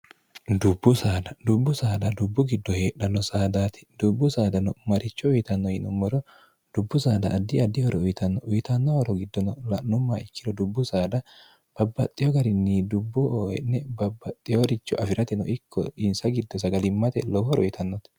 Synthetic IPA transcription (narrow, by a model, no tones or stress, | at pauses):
d̪ʊbːʊsaːd̪ɐd̪ʊbːʊsaːd̪ɐd̪ʊbːʊɡɪd̪ːɔheːᶑɐnːɔsaːd̪aːt̪ɛ̥d̪̥ʊbːʊsaːd̪ɐnɔmɐɾʔɪt͡ʃːɔʊjt̪ɐnːɔjɪnʊmːɔɾɔ | d̪̥ʊbːʊsaːd̪ɐʔːd̪ːɪɐd̪ːɪhɔɾɔʊjt̪ɐnːɔʔʊjt̪ɐnːɔhɔɾɔɡɪd̪ːɔnɔlɐnʊmːaːɪkːɪɾɔd̪ʊbːʊsaːd̪ɐ | b̥ɐbːɐt̪ʼːɪjɔɡɐɾɪnːiːd̪ʊbːʊːɛ̰nːɛbɐbːɐt̪ʼːɪjɔɾɪt͡ʃːɔʔɐfɪɾɐt̪ɛnɔ̰ʔɪkʰːɔ̰ɪnsɐɡɪd̪ːɔsɐɡɐlɪmːɐt̪ɛ̰lɔbɔɾɔ̰jɪt̪ʰɐnːɔt̪